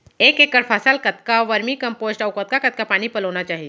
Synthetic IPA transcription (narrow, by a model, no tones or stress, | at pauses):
eːkeːkːəɽpʰəsəlkət̪kaʋəɾmikɐ̃mpoːzʈɔːwkət̪̚kakɐt̪̚kapaːñipɐloːnat͡ʃaːɦie